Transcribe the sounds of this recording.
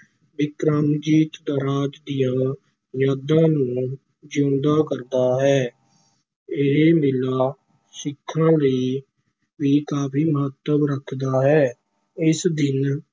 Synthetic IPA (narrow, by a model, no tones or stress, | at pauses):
bɪkɾaːmd͡ʒiːt̪d̪aːɾaːd͡ʒd̪ɪjãː | jaːd̪ãːnũː | d͡ʒõːnd̪aːkəɾd̪aːɦɛː | ɪɦeːmɪlaː | sɪkʰːãːləiː | ʋiːkaːpʰiːməɦət̪ːəbɾəkʰd̪aːɦɛː | ɪsd̪ɪn